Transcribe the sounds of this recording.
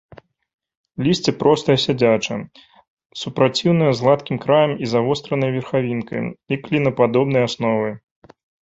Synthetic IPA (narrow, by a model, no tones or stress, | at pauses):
lʲisʲt͡sʲɛpɾʔɔst̪ɐjɛsʲad͡zʲat͡ʂɐ̰ | supɾat͡sʲiwnɨjɐzɣlˠat̪kʲimkɾajɐmizavɔst̪ɾɐnɐjvʲɛrxavʲinkɐ̰jlʲiklʲinɐpad̪ɔbn̪ɐjasnɔvɨ